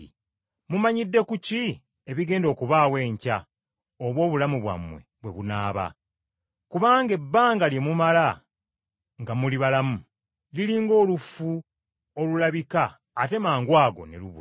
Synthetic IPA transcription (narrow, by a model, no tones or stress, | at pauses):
mumaɲidːe̞kuci | e̞βiɡe̞ːndo̞ːkuβaːwe̞ːɲca | oβwo̞ːβulamuβwa̰mwe̞̰βwe̞̰βunaːβa̰ | kuβaːŋɡe̞bːaːŋɡalje̞mumala | ŋɡamuliβalamu | liliːŋɡo̞ːlufu | olulaβikaː | te̞maːŋɡwaːɡo̞̰ne̞̰luβṵ